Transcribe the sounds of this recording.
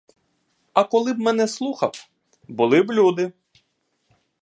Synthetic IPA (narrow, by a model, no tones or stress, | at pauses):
ɐkɔlˠɪbmɛnɛslˠuxɐw | bʊlˠɪblʲud̪ɪ